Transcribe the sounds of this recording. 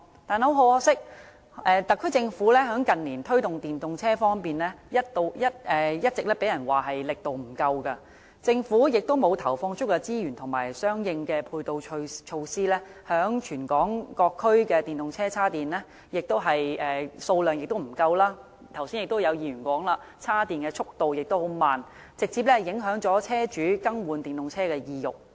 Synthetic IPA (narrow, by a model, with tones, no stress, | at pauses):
t̪aː˨nho˨˥wɦo˨˥wɔː˧˥sɪ˥k̚ | ʔɛː˨˧t̪ɐ˨kʰːɵ˥ɥt͡sɪ˧ŋfuː˨˥lɛː˥ɦœː˨˥ŋkɐ˨nliː˨˩nt̪ʰɵ˥ɥt̪ʊ˨ŋt̪iː˨˩nt̪ʊ˨ŋt͡sʰɛː˥fɔː˥ŋpiː˨nlɛː˥jɐ˥t̚t̪o˧wjɐ˥t̚ʔɛː˨jɐ˥t̚t͡sɪ˨k̚lɛː˥pe˨˥jɐ˨˩nwaː˨˩ɦɐ˨jlɪ˨k̚t̪o˨wm̩˨˩kɐ˧wkɐ˧ | t͡sɪ˧ŋfuː˨˥jɪ˨k̚t̪o˥wmo˨˧wt̪ʰɐ˨˩wfɔː˧ŋt͡ʃʰʊ˥kːɛ˧t͡siː˥jyː˨˩nt̪ʰʊ˨˩ŋmaː˨˩jsœː˥ŋjɪ˧ŋkɛː˧pʰuː˧jt̪o˨˧wʰt͡ʃʰo˧wsiː˥lɛː˥hœː˨˥ŋt͡ʃʰyː˨˩nkɔː˨˥ŋkɔː˧kʰːɵ˥ɥkɛː˧t̪iː˨˩nt̪ʊ˨ŋt͡sʰɛː˥t͡sʰaː˥t̪iː˨nlɛː˥ | jɪ˨k̚t̪o˥wɦɐ˨jɛː˨so˧wlœː˨ŋjɪ˨k̚t̪o˥wm̩˨˩kɐ˧wlaː˥ | t̪ʰɐ˨˩wsiː˥jɪ˨k̚t̪o˥wjɐ˨˧wjiː˧jyː˨˩nkʷwɔː˨˥ŋlaː˧ | t͡sʰaː˥t̪iː˨nkɛː˧t͡ʃʰʊ˥k̚t̪o˨˧wjɪ˨k̚t̪o˥who˨˥wmaː˨n | t͡sɪ˨k̚t͡si˧p̚lɛ˥hɐ˨˩jɪ˨˥ŋɦœː˨˥ŋt͡ʃɔː˨˥t͡sʰɛː˥t͡ʃyː˨˥kɐ˥ŋwuː˨˧nt̪iː˨˩nt̪ʊ˨ŋt͡sʰɛː˥kɛː˧jiː˧jʊ̰˨˩k̚